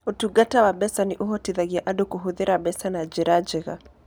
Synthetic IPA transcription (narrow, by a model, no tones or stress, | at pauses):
utuɡatawaɓɛsaniʔuɦɔtiðaɡiaʔaɗɔkuɦuðiɾaɓɛsanad͡ʒɛɾad͡ʒɛɣa̰